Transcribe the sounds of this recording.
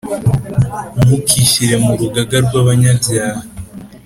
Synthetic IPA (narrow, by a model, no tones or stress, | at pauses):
mukʰiʃiɾe̞muɾuɡaɡaɾɡwaβaɲazjaːhi